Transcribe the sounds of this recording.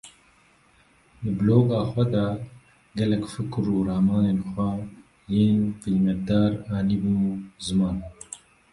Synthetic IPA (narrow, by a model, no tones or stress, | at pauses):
d̪ɨbloːɡɑːxʷɛd̪ɑ | ɡɛlɛkfɨkɾuːɾɑːmɑːneːnxʷɛ | jeːnfilmɛt̪̚d̪ɑːɾɑːliːbɨuzɨmɑːn